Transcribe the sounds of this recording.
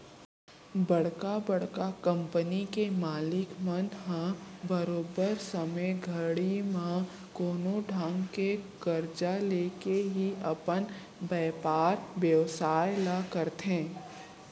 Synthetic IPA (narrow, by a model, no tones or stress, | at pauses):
bɐɽkabɐɽ̤kakə̃mpənikemaːlɪkmə̃nd̪ɦãbəɾoːbəɾsəməjɡʱəɽimã | koːnoɖʱãːŋɡkeɡ̥əɾd͡ʒaleːkeɦiɐpən | bɛːpaːɾʋjəʋsaːjlakəɾt̪ɦẽː